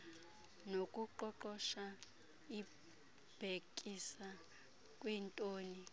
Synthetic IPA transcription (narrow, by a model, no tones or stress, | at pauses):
nokʼuǃɔǃɔʃa | i | b̥ʱekʼisa | kʼwɛntʼoːni